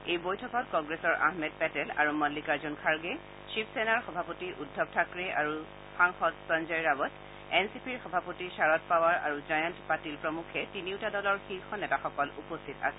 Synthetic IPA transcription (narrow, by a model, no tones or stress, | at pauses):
ejbojtʰɔkɔtkɔŋɡɹesɔɹʔa̰ɦmɛd̚pɛtɛla̰ɹumɔlːikaɹzɔnkʰaɹɡɛ | t͡ʃipʰsenaɹxɔbʱapotiʔudʱːɔb̚tʰakɹɛʔaɹu | xaŋxɔtsɔnzɔjɹabɔt | ɛnsipiɹxɔbʱapotisaɹɔtpawaɹa̰ɹuzajɔntpatilpɹɔmukʰɛtiniʊtadɔlɔɹxiɹxɔnɛtaxɔkɔlupɔstʰita̰sɛ